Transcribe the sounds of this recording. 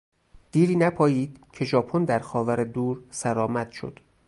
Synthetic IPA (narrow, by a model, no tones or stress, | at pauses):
d̪̥iːɾiːnæpʰɒːjiːd̪̥cʰe̞ʒɒːpʰo̞nd̪æɾxɒːvæɾed̪uːɾsæɾɒːmæd̪̥ʃo̰d̪̥